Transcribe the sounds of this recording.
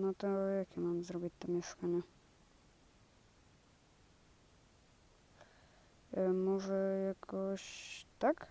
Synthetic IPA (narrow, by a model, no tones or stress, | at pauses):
nɔt̪ɔjakimanzɾɔbit̚ʲt̪ːamjɛʂkaɲɛ | mɔʐɛjakʰɔɕt̪ak